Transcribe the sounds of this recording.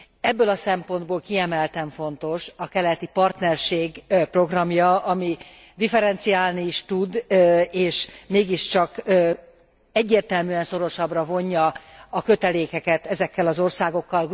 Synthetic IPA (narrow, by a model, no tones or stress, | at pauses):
ɛbːølɒsɛmpo̞nd̪boːlkiɛmɛlt̪ɛɱfo̞n̪t̪o̞ʃɒkɛlɛt̪ipɒrt̪nɛrʃeːɡpro̞ɡrɒmjɒɒmi | d̪ifɛɾɛnt̪sijaːlniːʃt̪ud̪eːʃmeːɡiʃt͡ʃɒkː | ɛɟːeːrt̪ɛlmyːɛnso̞ɾo̞ʃɒbrɒvo̞ɲːɒːkø̞t̪ɛleːkɛkɛt̪ɛzɛkːɛlɒzo̞rsaːɡo̞kːɒl